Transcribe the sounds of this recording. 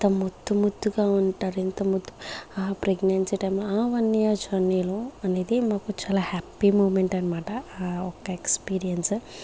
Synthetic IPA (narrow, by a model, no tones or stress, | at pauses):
nt̪ɐmud̪ːumud̪ːuɡaːuɳʈaːɾint̪ɐmud̪ːuapɾeɡnensiʈɐjmlaːʋɐnːijaːd͡ʒɐniluɐneːd̪imaːkut͡ʃaːlaːhapːimuːmeɳʈɐnɐmaːʈɐɔkːɐekspiːɾijɐns